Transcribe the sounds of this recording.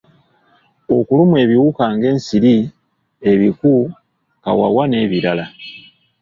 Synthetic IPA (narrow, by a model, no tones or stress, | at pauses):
o̞kulumwe̞ːβiwukaːŋɡe̞ːnsiɾi | e̞βiku | ka̰wa̰wane̞βiɾala